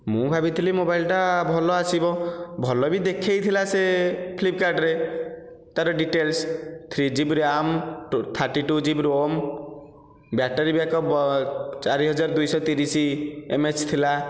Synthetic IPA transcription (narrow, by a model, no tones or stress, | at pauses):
mũbʱabit̪ʰilimobailʈabʱɔlɔasibɔbʱɔlɔbid̪ekʰejt̪ʰilasepʰlip̚kaɾɖɾe | t̪aɾɔɖiʈelst̪ʰɾid͡ʒibɾamt̪ʰaɾʈiʈud͡ʒibɾom | bjaʈaɾibakɔ | t͡ʃaɾiɦɔd͡ʒaɾɔd̪ujsɔt̪iɾisiemet͡ʃt̪ʰila